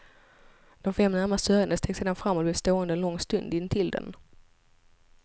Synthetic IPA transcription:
d̪̥ɔmfɛmːnæɾmasœɾand̪əst̪eːɡseːd̪anfɾamːɔt̪̚blɛvst̪oːɛnd̪əɛnlɔŋːst̪ɵnd̪ɪnːt̪ʰɪld̪ɛ̰n

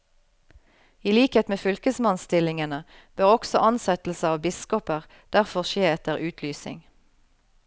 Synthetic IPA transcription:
iːliːkheːt̪meːfʏlkəsmɑnst̪ɪlɪŋənəb̥øːʁɔksɔʔɑnsɛt̪l̩səɑːʋbɪskɔpəʁ | d̪̥æʁfɔʁʃeːɛt̪əʁʉːt̪ʰlyːsɪ̰ŋ

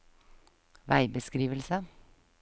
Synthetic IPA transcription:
ʋæɪbəskɾiːʋəlsə

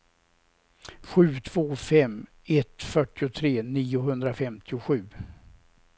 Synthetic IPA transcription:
ɧʉ̟ːt̪ʰv̥oːfɛmː | ɛt̪fœʈːɪʊt̪ʰɾeːniːʊɦɵnd̪ɾafɛmt̪ʰɪʊɧʉ̟ː

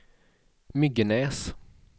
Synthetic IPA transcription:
mʏɡənɛːs

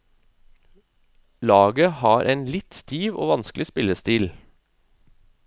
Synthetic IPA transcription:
lɑːɡəhɑːɾʔeːnlɪt̪st̪ʰiːʋo̰ːʋɑnsklɪspɪləst̪iːl

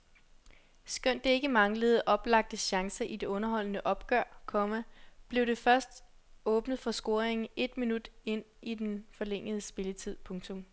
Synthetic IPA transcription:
sɡ̥øn̰d̥ee̝ɡ̥əmɑ̈ŋləð̞̩ˠʔɒ̽b̥lɑ̈ɡ̥̚d̥əɕɑ̈ŋsɐʔid̥e̝ɔ̽nɐɦɒ̽l̰nəʔɒ̽b̥ɡ̥œɐ̰kʰɒ̽mæb̥le̝ʊde̝fɶɐsd̥ | ɔ̽ːb̥nəð̞̩ˠfɒ̽sɡ̥o̝ɐeŋn̩e̝d̥minud̥e̝n̰ | id̥enfɒ̽leŋ̰əð̞ˠəsb̥e̝lət͡sʰið̞̰ˠpʰɔ̽ŋt͡sʰɔ̽m

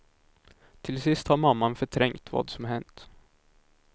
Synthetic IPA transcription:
t̪ʰɪlsɪst̪haɾmamːanfœʈʰɾɛŋkt̪vɑ̰ːd̪sɔmɦɛnt̪

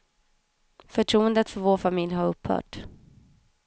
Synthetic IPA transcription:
fœʈʰɾuːənd̪ət̪fœɾvoːɾfamɪljhaɾɵpːhœ̰ːʈ

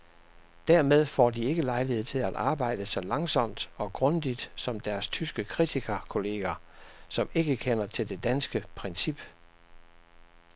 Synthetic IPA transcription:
d̥æɐmeð̞ˠfɒ̰ːd̥ie̝ɡ̥əlɑ̈ɪliheð̰ˠt͡sʰe̝læd̥ʔɑ̈ːb̥ɑ̈ɪ̰d̥əsɒ̽lɑ̈ŋsɒ̽m̰d̥ɒ̽ɡ̥ʁɔ̽nd̥id̥sɒ̽md̥æɐst͡sʰysɡ̥əkʰʁit͡sʰikʰɐkʰo̝le̝ːɡ̥æsɒ̽me̝ɡ̥əkʰenɐt͡sʰe̝ld̥e̝d̥ænsɡ̥əpʰʁɛnsib̥

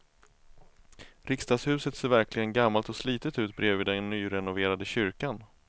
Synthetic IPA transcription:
ɾɪkst̪ɑːɡ̪shʉ̟ːsət̪seːɾvæɾklɪɡənɡamːalt̪ɔsliːt̪ət̪ʉ̟ːt̪̚bɾeːviːd̪ɛnːyːɾɛnʊveːɾad̪əɕʏɾkan

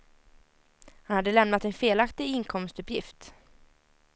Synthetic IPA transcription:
hanhad̪ːəlɛmnat̪ɛnfeːlakt̪ɪɡɪŋkʰɔmst̪ɵpjɪft̪

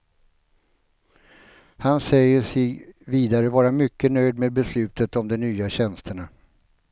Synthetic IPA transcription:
hansɛjəʂɛviːd̪aɾəvɑːɾamʏkːənœjd̪meːd̪̚bɛslʉ̟ːt̪ət̪ɔmd̪ɛnyːaɕɛnst̪ʰəɳa

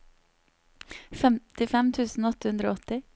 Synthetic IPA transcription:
fɛmt̪ɪfɛmt̪ʰʉːsn̩oːɔt̪əhʉnd̪ɾo̰ːɔt̪ɪ

